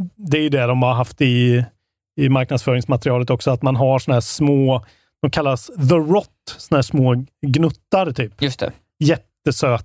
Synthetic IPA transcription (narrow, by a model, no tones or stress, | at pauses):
d̪ɛæɾjɵd̪ɛd̪ɔmhaɾɦaft̪ɪː | maɾk̚nad̪sfœːɾɪŋsmat̪ɾɪɑːlət̪ɔksɔat̪manɦaʂɔnaɦæːʂmoː | d̥̪ɔmkʰalːasðəɾɔt̪ːsɔnahæːʂmoːɡnɵt̪ːaɾt̪ʰyːpjɵst̪ɛ̰ | jɛt̪ːəsøː